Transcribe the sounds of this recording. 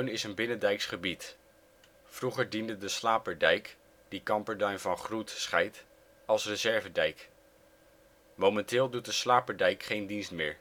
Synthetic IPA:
ɥnɪsənbɪnədɛjksχəbit | fruχəɹdindədəslaːpəɹdɛjk | d̥ikɑmpəɹdœɥnvɑnχrutsχɛjt | ɑlˠsrəzɛɹvədɛjk | momɛntɪːlˠdut̚dəslaːpəɹdɛjkχejndinstmɪːɹ

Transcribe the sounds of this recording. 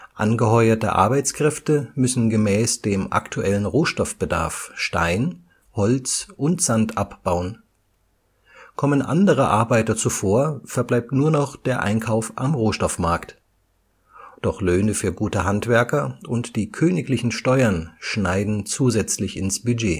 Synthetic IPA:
ʔa̰nɡəhɔʏɐtə̰ʔa̰ɐbaɪt͡skʁ̥ɛftəmʏsn̩ɡəmɛːsd̥eːmʔa̰ktʰuʔɛlənʁoːʃtɔfb̥əda̰ɐfʃta̰ɪn | hɔlt͡sʔʊntz̥antʔapb̥aʊən | kʰɔmənʔa̰ndəʁəʔa̰ɐbaɪtɐt͡sufoːɐfɛɐblaɪp̚tnuːɐnɔχd̥eːɐʔa̰ɪnkʰaʊfʔamʁoːʃtɔfmaɐkt | d̥ɔχløːnəfyːɐɡuːtəɦantv̥ɛɐkɐʔʊntd̥iːkʰøːnɪklɪçn̩ʃtɔʏɐnʃnaɪdn̩t͡suːzɛt͡slɪçɪnsb̥yd͡ʒeː

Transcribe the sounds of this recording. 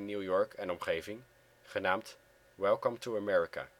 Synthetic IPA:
njuːjɔɹkʰɛnɔmχejvɪŋ | χənaːmt | wɛlˠkəmtuəmɛɹika̰

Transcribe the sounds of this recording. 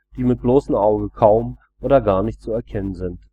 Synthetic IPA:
d̥iːmɪt̚b̥loːsn̩ʔaʊɡəkʰaʊm | ʔoːdɐɡaːɐnɪçtt͡suɛɐkʰɛnənzɪnt

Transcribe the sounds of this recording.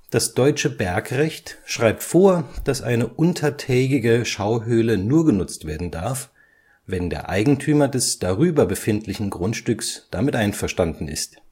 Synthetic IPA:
d̥asd̥ɔʏt͡ʃəbɛɐkʁɛçtʃʁ̥aɪp̚tfoːɐd̥asʔa̰ɪnəʔʊntʰɐtʰɛːɡɪɡəʃaʊɦøːlənuːɐɡənʊt͡stv̥eːɐdn̩daɐf | vɛndḛːɐʔa̰ɪɡŋ̩tʰyːmɐdɛsd̥aʁyːbɐbəfɪntʰlɪçn̩ɡʁʊntʃtʏksd̥amɪtʔaɪnfɛɐʃtandn̩ɪ̰st

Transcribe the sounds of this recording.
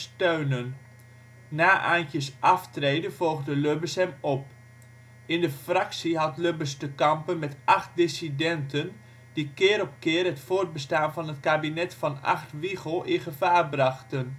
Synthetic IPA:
støɥnən | naːʔa̰ːntjəsʔɑftrejdənv̥ɔlˠχdəløbəsɦɛmɔp̚ | ɪndəfrɑksiɦɑtløbəstəkɑmpənmɛtʔɑχt̚dɪsidɛntən | dikɪːɾɔp̚kɪːrɦətfoːrd̚bəstaːnvɑnɦətkaːbinɛtfɑnɑ̰χtʋiχəlˠɪnχəvaːrbrɑχtən

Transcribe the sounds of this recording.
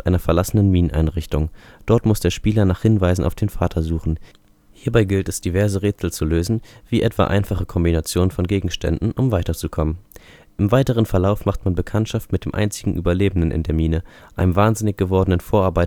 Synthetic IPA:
ʔaɪnɐfɛɐlasənənmiːnənʔa̰ɪnʁɪçtʊŋd̥ɔɐtmʊsd̥eːɐʃpiːlɐnaːχhɪnvaɪzn̩ʔaʊfd̥eːnfaːtʰɐzuːχn̩ | hiːɐbaɪɡɪltɛsd̥ivɛɐzəʁeːt͡sl̩t͡suløːzn̩v̥iːʔɛtv̥a̰ːʔa̰ɪnfaχəkʰɔmbinat͡sjoːnənfɔnɡeːɡŋ̩ʃtɛ̰ndn̩ʔʊmvaɪtɐt͡sukʰɔmən | ʔɪmvaɪtəʁ̞ənfɛɐlaʊfmaχtmanbəkʰantʃaftmɪt̚d̥eːmʔa̰ɪnt͡sɪɡŋ̩ʔy̰ːbɐleːbənənʔɪ̰ndeːɐmiːnəʔaɪnəmvaːnzɪnɪçɡ̥əvɔɐdənənfoːɐʔaɐbaɪ

